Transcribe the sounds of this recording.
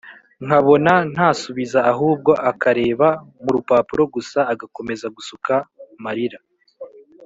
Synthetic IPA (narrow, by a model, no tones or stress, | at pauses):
ŋ̥haβo̞nan̥haːsuβizaːɦuːb̚ɡo̞ʔakaɾe̞ːβamuɾupaːpuɾo̞ɡusaːɡako̞me̞zaɡusukamaɾiɾa